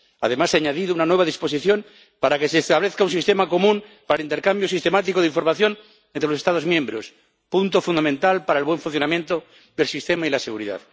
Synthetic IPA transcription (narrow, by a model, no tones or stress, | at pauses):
a̰ðe̞maseaɲaðiðounanwe̞βaðispo̞siθjõ̞n | paɾake̞seːst̪aβ̞leθkaunsist̪emako̞mũnpaɾalint̪e̞ɾkambjo̞sist̪e̞mat̪̬ikoiɱfo̞ɾmaθjo̞n | ent̪ɾelosest̪aðo̞zmjẽ̞mbɾos | punt̪ofund̪amẽnt̪alpaɾae̞lβwe̞ɱfunθjonamjent̪o | d̪elsist̪e̞mailaseɣuɾiða̰ð